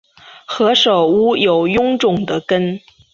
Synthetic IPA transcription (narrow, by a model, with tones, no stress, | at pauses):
xɤ˧˥ʂo˨˩ʊu˥jo˨˩ʊjʊ˥ŋʈ͡ʂʊ˨˩ŋd̪ə˦kə˥n